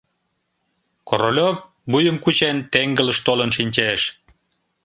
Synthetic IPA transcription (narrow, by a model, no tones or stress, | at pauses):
koɾolʲok̚ | bujəmkut͡ɕent̪eŋɡələʃt̪olənʃinʲt͡ɕeʃ